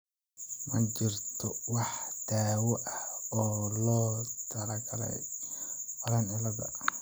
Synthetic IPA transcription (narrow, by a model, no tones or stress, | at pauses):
mɐt͡ʃɪrt̪ʰɔwɑħd̪̥aːwɔʔɐɔːlɔːt̪ʰɐɾɐɡʰɐlɛ̰j | fɐlɐnɪlɐðɐ̰